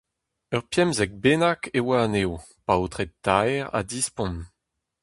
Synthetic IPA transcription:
œʁpjɛmzɛk̚benakewaːneːw | pawt̪χet̪ajʁa̰d̪ispɔ̃n

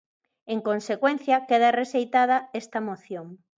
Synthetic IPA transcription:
eŋkonsekwen̟θjɐkeð̞aresejt̪að̞ɐest̪ɐmoθjoŋ

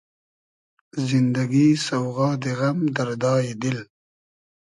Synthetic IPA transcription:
zɪnd̪aɡisawɣɑːd̪eɣamd̪aɾd̪ɑːjed̪ɪl

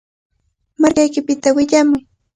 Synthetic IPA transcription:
maɾkajkɪpɪt̪awɪʎamʊj

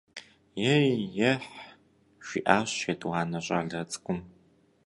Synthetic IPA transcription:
jɛjjɛħ | ʃʷḭʔaːɕedwaːnɐɕʼaːɮɐt͡sʼkʷʼʊm

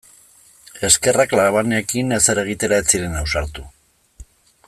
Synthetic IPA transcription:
e̞ske̞raklaɾaβaneekineseɾe̞ɣ̞it̪e̞ɾaet͡siɾe̞nawsaɾt̪u

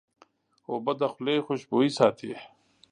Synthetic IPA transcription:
oːbɐd̪ɐxuleːxoɕboːisaːt̪ʰi

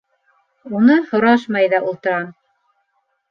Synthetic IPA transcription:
unɤhŏɾɑʃmɑjðɑʔulˠt̪ɤ̆ɾɑm

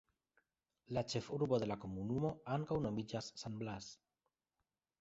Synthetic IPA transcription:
lat͡ʃe̞fuɾbo̞ðe̞lako̞munumo̞aŋkawno̞mid͡ʒasːanblas

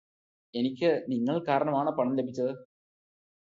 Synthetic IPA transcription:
e̞nikʲːɨniŋːɐɭkaːɾɐɳɐmaːɳɨpɐɳɐmlebʱit͡ɕːɐðɨ

